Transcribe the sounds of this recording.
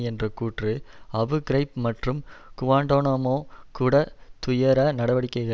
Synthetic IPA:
ɛndrɐkuːʈrɯɐʋɯɡɪɾɐɪp̚mɐʈrɯmkʊʋaːɳɖoːnɐmoːkuːɽɐt̪ʊjɐɾɐnɐɽɐʋɐɽɪkːɐɪɣɐ

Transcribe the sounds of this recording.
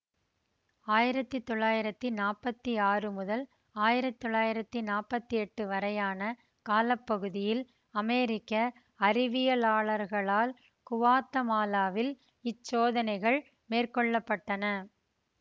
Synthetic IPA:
aːjɪɾɐt̪ːɯt̪ːɔɭːaːjɪɾɐt̪ːɯnaːpɐt̪ːiaːrɯmʊðɐl | aːjɪɾɐt̪ːɔɭːaːjɪɾɐt̪ːɯnaːpːɐt̪ːiɛʈːɯʋɐɾɐjaːnɐ | kaːlɐpːɐɣɯðɪjɪl | ɐmeːɾɪkːɐ | ɐɾɪʋɪjɐlaːɭɐɾɣɐɭaːl | kʊʋaːt̪ːɐmaːlaːʋɪl | ɪt͡ʃːoːðɐnɐɪɣɐɭ | meːrkɔɭːɐpːɐʈːɐnɐ

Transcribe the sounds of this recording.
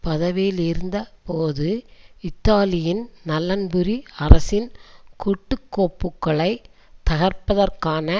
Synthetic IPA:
pɐðɐʋeːlɪɾɯnd̪ɐpoːðɯɪt̪ːaːlɪjɪnnɐlːɐnbɯɾiɐɾɐsɪnkʊʈːɯkːoːpːɯkːɐɭɐɪt̪ɐɣɐɾpɐðɐrkaːnɐ

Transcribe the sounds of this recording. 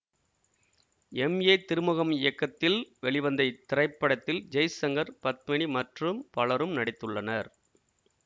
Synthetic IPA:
ɛmeːt̪ɪɾɯmʊɣɐmɪjɐkːɐt̪ːɪlʋɛɭɪʋɐnd̪ɐɪt̪ːɪɾɐɪpːɐɽɐt̪ːɪld͡ʒɐjsɐŋɡɐɾpɐt̪̚mɐɳimɐʈrɯmpɐɭɐɾɯmnɐɽɪt̪ːɯɭːɐnɐɾ

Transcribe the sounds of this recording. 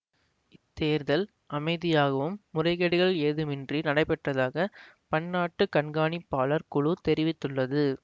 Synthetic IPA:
ɪt̪ːeːɾðɐl | ɐmɐɪðɪjaːɣɐʋɯmːʊrɐɪɣɐɽɪɣɐɭeːðɯmɪndrinɐɽɐɪpːɛʈrɐðaːɣɐ | pɐɳːaːʈːɯkɐɳɡaːɳipːaːɭɐɾkʊɻut̪ɛɾɪʋɪt̪ːɯɭːɐðɯ

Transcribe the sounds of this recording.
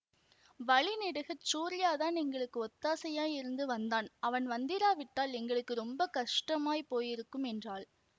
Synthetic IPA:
ʋɐɭɪnɪɽɯɣɐt͡ʃuːɾɪjaːðaːnɛŋɡɐɭɯkːɯɔt̪ːaːsɐjaːjɪɾɯnd̪ɯʋɐnd̪aːnɐʋɐnʋɐnd̪ɪɾaːʋɪʈːaːlɛŋɡɐɭɯkːɯɾɔmbɐkɐʂʈɐmaːjpoːjɪɾɯkːɯmɛndraːl

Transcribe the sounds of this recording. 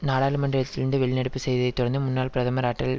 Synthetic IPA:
naːɽaːlɯmɐɳɖɾɐjɐt̪ːɪlnd̪ɯʋɛɭːɪnɐɽɯpːɯsɛjðɪðɐɪt̪ːʊɽɐnd̪ɯmʊnːaːlpɪɾɐðɐmɐɾaːʈːɐl

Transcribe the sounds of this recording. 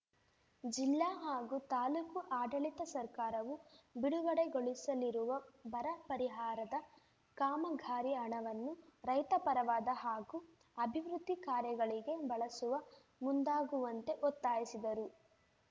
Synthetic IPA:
d͡ʒilːaɦaːɡut̪aːlukuʔaːɖɐɭit̪ɐsɐɾkaːɾɐʋubiɽuɡɐɽe̞ɡoɭisɐliɾuʋɐbɐɾɐpɐɾiɦaːɾɐd̪ɐ | kaːmɐɡʱaːɾiɐɳɐʋɐnːuɾɐjt̪ɐpɐɾɐʋaːd̪ɐɦaːɡu | ɐbʱiʋɾud̪ʱːikaːɾjɐɡɐɭiɡe̞bɐɭɐsuʋɐ | mund̪aːɡuʋɐnt̪e̞ʔɔt̪ːaːjisid̪ɐɾu

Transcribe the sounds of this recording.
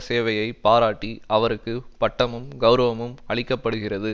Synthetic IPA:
seːʋɐjɐɪpaːɾaːʈːiʔɐʋɐɾɯkːɯpɐʈːɐmɯmɡɐʊɾɐʋɐmɯmɐɭɪkːɐpːɐɽɯɣɪrɐðɯ

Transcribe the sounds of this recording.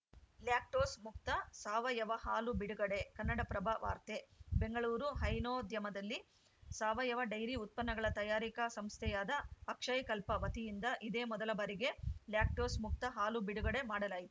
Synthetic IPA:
ljaːk̚ʈoːsmuk̚t̪ɐsaːʋɐjɐʋɐhaːlubiɽuɡɐɽe̞kɐnːɐɽɐpɾɐbʱɐʋa̰ːɾt̪e̞be̞ŋɡɐɭuːɾuɦɐjnoːd̪jɐmɐd̪ɐlːi | saːʋɐjɐʋɐɖɐjɾiut̪̚pɐnːɐɡɐɭɐt̪ɐjaːɾikɐsɐmst̪ʰɛjaːd̪ɐːkʂɐjkɐlpɐʋɐt̪ijind̪ɐʔid̪e̞ːmɔd̪ɐlɐbɐːɾiɡe̞ljaːk̚ʈoːsmuk̚t̪ɐɦaːlubiɽuɡɐɽe̞maːɽɐlaːjit̪u̥

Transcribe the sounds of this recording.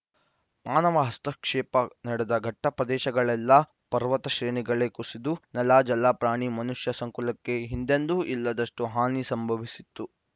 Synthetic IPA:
maːnɐʋɐɦɐst̪ɐkʂɛːpɐnɐɽed̪ɐɡʱɐʈːɐpɾɐd̪ɛːʃɐɡɐɭɛlːɐ | pɐɾʋɐt̪ɐʃɾeːniɡɐɭekusid̪unɐlaːd͡ʒɐlaːpɾaːɳimɐnuʂjɐsɐŋkulɐkːe̞ɦind̪end̪uʔilːɐd̪ɐʂʈuɦaːnisɐmbʱɐʋisit̪ːu

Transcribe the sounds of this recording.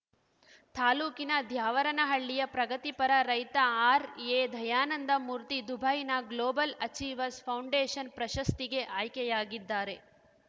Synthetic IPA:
t̪aːluːkinɐd̪ʱjaːʋɐɾɐnɐɦɐɭːijɐpɾɐɡɐt̪ipɐɾɐɾɐjt̪ɐaːɾeːd̪ʱɐjaːnɐnd̪ɐmuɾt̪id̪ubʱɐjnɐɡloːbɐlɐt͡ʃiːʋɐspʰɐwɳɖeːʃɐnpɾɐʃɐst̪iɡe̞ʔaːjkɛjaːɡid̪ːaːɾe̞

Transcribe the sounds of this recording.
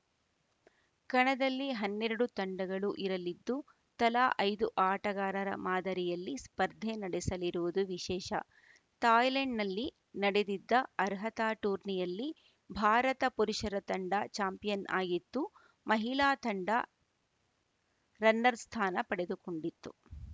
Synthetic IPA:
kɐɳɐd̪ɐlːiɦɐnːeɾɐɽut̪ɐɳɖɐɡɐɭuʔiɾɐlid̪ːu | t̪ɐlaːʔɐjd̪uʔaːʈɐɡaːɾɐɾɐ̰maːd̪ɐɾijɐlːispɐɾd̪ʱenɐɽɛsɐliɾuʋud̪uʋiʃɛːʃɐ̰ | t̪aːjleɳɖnɐlːi | nɐɽed̪id̪ːɐɐɾɦɐt̪aːʈuːɾnijɐlːi | bʱaːɾɐt̪ɐpuɾuʂɐɾɐt̪ɐɳɖɐt͡ʃaːmpijɐnʔaːɡit̪ːu | mɐɦilaːt̪ɐɳɖɐ̰ | ɾɐnːɐɾst̪ʰaːnɐpɐɽed̪ukoɳɖit̪ːṵ

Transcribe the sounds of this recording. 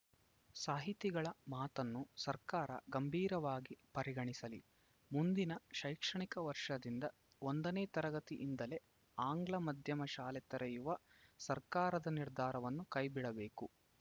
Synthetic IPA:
saːɦit̪iɡɐɭɐmaːt̪ɐnːusɐɾkaːɾɐ̰ɡɐmbʱiːɾɐʋaːɡipɐɾiɡɐɳisɐli | mund̪inɐʃɐjkʂɐɳikɐʋɐɾʂɐd̪ind̪ɐ | ond̪ɐneːt̪ɐɾɐɡɐt̪iʔind̪ɐle̞ | aːŋɡlɐmɐd̪ʱjɐmɐʃaːlɛt̪ɐɾɐjuʋɐsɐɾkaːɾɐd̪ɐniɾd̪ʱaːɾɐʋɐnːukɐjbiɽɐbe̞ːku

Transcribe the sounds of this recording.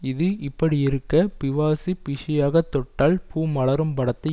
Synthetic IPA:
ɪðɯʔɪpːɐɽiɪɾɯkːɐpɪʋaːsipɪʂɪjaːɣɐt̪ːɔʈːaːlpuːmɐɭɐɾɯmpɐɽɐt̪ːɐ

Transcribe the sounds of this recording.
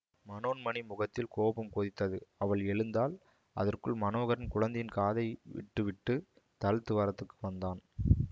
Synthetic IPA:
mɐnoːnmɐnimʊɣɐt̪ːɪlkoːpɯmkoːðɪt̪ːɐðɯɐʋɐɭɛɻɯnd̪aːl | ɐ̰ðɐrkɯɭmɐnoːɣɐɾɐnkʊɻɐnd̪ɐjɪnkaːðɐɪʋɪ̰ʈːɯʋɪʈːɯ | t̪ɐɻt̪ːɯʋaːɾɐt̪ːɯkːɯʋɐnd̪aːn

